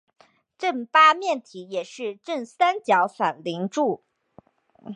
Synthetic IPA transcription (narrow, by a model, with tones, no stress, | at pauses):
ʈ͡ʂə˥˩npa˥mjɛ˥˩nt̪ʰi˧˥jɛ˨˩ʂɻ̩˥˧ʈ͡ʂə˥˩ŋsa˥nt͡ɕjɑ˧˥ʊfa˨˩nli˧˥ŋʈ͡ʂu˥˩